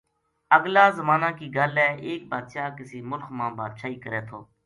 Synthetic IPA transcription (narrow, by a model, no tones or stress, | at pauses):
əɡlaːzəmaːnãːkiːɡəlɛːʔeːk̚baːd̪ʃaːkɪsiːmʊlkʰmãːbaːd̪ʃaːiːkəɾɛːt̪ʰoː